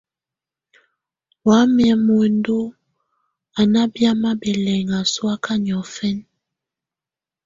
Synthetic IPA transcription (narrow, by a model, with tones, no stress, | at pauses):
wa˨˦mjɛ˨mo˨ndo˦ | a˨na˦bja˦ma˦bɛ˨lɛ˨ŋa˨swa˦ka˦ɲ˨ɔ˨fɛ˦n